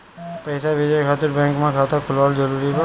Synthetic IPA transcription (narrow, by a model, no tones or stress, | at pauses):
pɐɪsabʱɪd͡ʒekʰaːt̪ɪɾbɛ̃ːŋkmẽkʰaːt̪akʰʊlaːld͡ʒəɾuːɾika